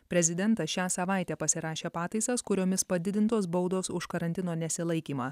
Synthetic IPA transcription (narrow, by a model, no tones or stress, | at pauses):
pʲɾʲɛzʲɪd̪ʲɛnt̪ɐsʃʲæːsɐʋɑˑɪt̪ʲɛːpɐsʲɪɾɑːʃʲeːpɑːt̪ɐɪsɐskʊɾʲoːmʲɪspɐd̪ʲɪd̪ʲɪnt̪oːsbɒʊd̪oːsʊʃkɐɾɐnʲt̪ʲɪnoːnʲɛsʲɪlˠɐɪkʲiːmɑː